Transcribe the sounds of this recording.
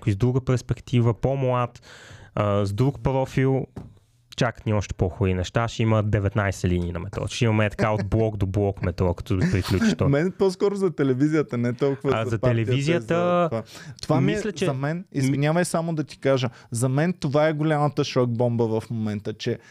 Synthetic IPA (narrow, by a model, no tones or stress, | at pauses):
kʊizd̪ɾuɡəpɛɾspɛkt̪ivəpomlat̪əzd̪ɾukpɾɔfilˠ | t͡ʃakə̥t̪niɔʃt̪ɛ̥pɔxoɾinɛʃt̪aʃiməd̪ɛvɛt̪najsɛliniːnɐmɛt̪ɾɔ̰ʃimɐmɛt̪ɐ̥kaoblˠɔkd̪oblˠɔkmɛt̪ɾɔkɐ̥t̪ɔpɾiklʲuiʃt̪ɔmɛnpɔskɔɾʊzɐt̪ɛlɛvizijət̪ənɛt̪ɔlˠkʊvəazɐt̪ɛlɛvizijət̪əat̪ovamislʲɛt͡ʃɛɐmɛnizvinʲavəjsamod̪ɐt̪i̥kaʒə | zɐmɛnt̪ovaɛɡolʲamət̪əʃɔɡ̚bɔmbəvɐfmomɛnt̪ət͡ʃɛ